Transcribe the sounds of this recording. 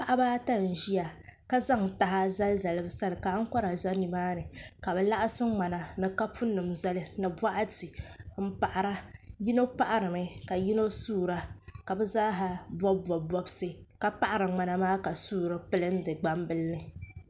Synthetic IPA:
pa˦ʔa˦baː˦ta˦n̩˨ʒi˦ja˨ka˦za˦ŋta˨ha˦za˦lza˨lɨ˦bɨ˨˦sa˦lɨ˨ka˨˦ŋ̩˦kɔ˦ɾa˨za˦ni˨maː˦nɨ˨ka˨bɛ˨la˦ʔa˦sɨ˦ŋ͡ma˨na˨nɨ˨ka˦pu˦nːɨ˨mza˦lɨ˦nɨ˨bwa˦ʔa˦ti˨m̩˦pa˨ʔa˨ɾa˦ji˦no˦pa˦ʔa˨ɾɨ˨mɨ˨ka˨ji˦no˦suː˦˨ɾa˦ka˨bɛ˦zaː˦ɦa˨bɔ˦bɔ˨bɔ˦bsɨ˦ka˦pa˦ʔa˨ɾɨ˨ŋ͡ma˨na˨maː˦ka˨suː˦˨ɾɨ˦pɨ˦lɨ˦n̩˦dɨ˨ɡ͡ba˦mbɨ˦lnɨ˨

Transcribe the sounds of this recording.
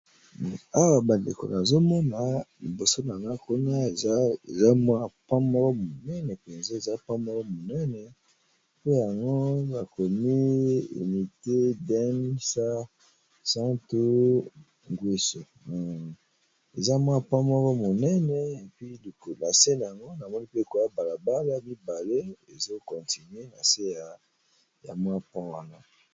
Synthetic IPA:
a˦wa˨ba˨ndḛ˨ko̰˨na˨zo˦mɔ˦na˨li˨bo˨so˦na˨na˦ko˦na˦˨˦ḛ˨za˦mɔ˦˨pã˦mɔ˦lɔ˦mo˨nɛ˦nɛ˨pɛ˨nze˦e˨za˦pa˦mɔ˦lɔ˦mo˨nɛ˦nɛ˨ | po˦ja˨ŋɡo˦a˨ko˨mi˦ḭ˨mi˨te˦da˦ni˦sa˦ | sã˦to˦ | ŋɡwi˦so˨ | e˨za˦mwa˦˨pã˦mɔ˦ɣɔ˦mo˨nɛ˦nɛ˨e˨pɥi˦li˨ko˨la˨se˦na˨ja˨ŋɡo˦na˨mɔ˦ni˦pe˦e˨ko˨ja˦ba˨la˨ba˦la˦mi˦ba˨le˦e˨zo˦kɔ˨nti˨nɥe˦na˨se˦ja˨ | ja̰˨mwa˦pa˦wa̰˦na̰˦

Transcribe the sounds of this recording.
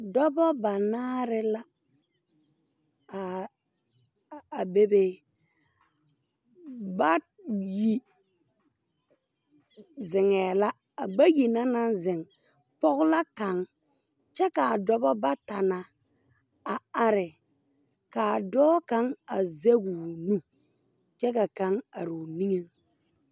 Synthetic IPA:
dɔ˦bɔ˦ba˨naː˦ɾɪ˦la˦˨ | a˨be˦be˦ | ba˦ | ji˨ | zɪ˨ŋɛː˨la˦ | a˨ɡ͡ba˦ji˨na˦na˦nzɪ˨ŋ | pɔ˦ɣʊ˦la˦ka˨ŋ | t͡ʃɛ˦ka˨a˨dɔ˦bɔ˦ba˦ta˨na˨ | a˨a˦ɾɪ˨ | ka˨dɔː˦ka˦ŋa˨ze˦ɡu˨nũ˦ | t͡ʃɛ˦ka˨ka˦ŋa˨ɾu˨ni˦ŋe˦ŋ

